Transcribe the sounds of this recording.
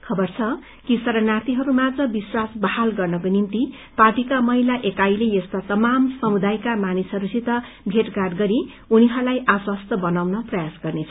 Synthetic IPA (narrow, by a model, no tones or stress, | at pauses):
kʰʌbʌrt͡sʰʌ | kisʌɾʌnat̪iɦʌɾumad͡zʌbiswasbʌhalɡʌrnʌkonimt̪i | parʈikamʌɦilaʔekajleest̪at̪ʌmamsʌmud̪ajkamanisʌɾusʰit̪ʌ | bʱeʈɡaʈɡʌɾi | uniɦʌɾulajʔaswast̪ʌbʌnawnʌprʌjasɡʌrnet͡sʰʌ